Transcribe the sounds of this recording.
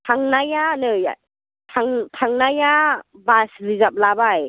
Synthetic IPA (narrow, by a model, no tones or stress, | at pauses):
tʰaŋnajanɯja̰ | tʰaŋtʰaŋnajabaslizap̚labaj